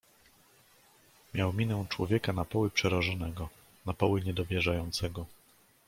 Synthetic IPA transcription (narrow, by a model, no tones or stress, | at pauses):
mʲjawmʲinɛw̃t͡ʂwɔ̰vʲjɛkanapɔwɘpʂɛɾaʐɔnɛɡɔ | napɔwɘɲɛd̪ɔvʲjɛʐajɔnt̪sɛɡɔ